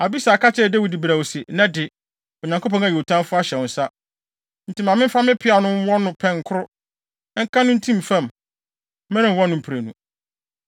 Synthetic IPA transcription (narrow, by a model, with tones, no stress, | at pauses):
a˨bi˦sa˨ka˦t͡ɕʰɛ˦˨dæ˦wi˨di˨bɾa˨wo˨sɛ˨nã˦dɪ˨ | o˨ɲã˨ŋkʰo˦pʰɔ̃˦na˨jo˨tʰã˦mfʊ˦a˦ɕɛ˨wʊ̃˨n̩˨˦sa˦ | n̩˨tʰi˨mã˨mɪ̃˦m̩˦fa˦mɪ̃˦pʰɪ˦a˨nʊ̃˦m˦wɔ˦nʊ̃˦pʰɛ̃˦ŋ˨kʰʊ˦ɾʊ˦ | ŋ̩˦kʰa˦nʊ̃˦n̩˦tʰĩ˦m˨fã˨m˦ | mɛ̃˦ɾɪ̃˨wɔ˦nʊ̃˨m̩˨pʰɾæ˨nṵ̃˨